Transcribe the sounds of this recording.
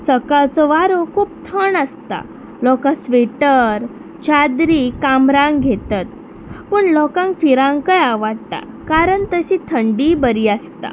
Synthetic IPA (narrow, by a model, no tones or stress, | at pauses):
səkalt͡sɔʋaɾokʰuːp̚t̪ʰəɳəst̪a̰ | lɔkãsʋeʈəɾ | t͡ɕad̪ɾiːkamɾãŋɡɡʱet̪at̪̚ | pəɳlɔkãŋkfiɾãŋɡkəjaʋaɽt̪a̰ | kaɾəɳt̪əɕit̪ʰəɳɖibəɾiːəst̪a̰